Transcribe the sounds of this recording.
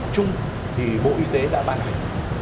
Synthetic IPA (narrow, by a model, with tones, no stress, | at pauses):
t͡ɕʊ˧ŋ͡m | t̪ʰi˨˩ɓo̰˧˥ʔi˧t̪e˨˦ɗa̰ː˧˥maː˧nha˨˩ŋ̟